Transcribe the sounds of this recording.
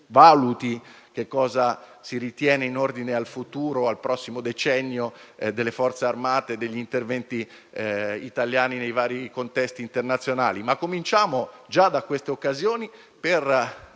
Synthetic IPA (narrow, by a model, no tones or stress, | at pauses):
vaːlut̪i | k̟ekːɔːzasiɾit̪jɛːneinord̪inealfut̪uːɾoalpɾɔsːimod̪et͡ʃɛnːjod̪elːefɔrt̪searmaːt̪ed̪eʎːint̪ervɛnt̪i | it̪aljaːninejvaːɾikont̪ɛst̪iːnt̪ernat̪sjonaːlimakːomint͡ʃaːmod͡ʒad̪akwest̪eokːazjoːni | per